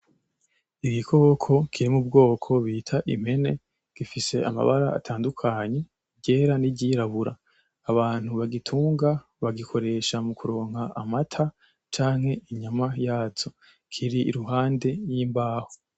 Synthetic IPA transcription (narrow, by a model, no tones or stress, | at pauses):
iɡikʰo̞kʰo̞kʰiɾimub̚ɡo̞ːkʰo̞βiːtʰaʔḭm̥he̞ne̞ | ɡ̥ifise̞a̰ma̰βaɾaa̰tʰaːndukʰaɲe̞ | ɟeːɾaniɟiɾaβuɾa̰ː | βaːn̥huβaɡitʰuːŋɡa | βaɡikʰo̞ɾe̞ʃamukuɾo̞ːŋhaʔːmatʰa | t͡ʃaːŋhe̞iɲamajaːzo̞ | kʰiɾḭːɾuɦaːnde̞jiːmbaːho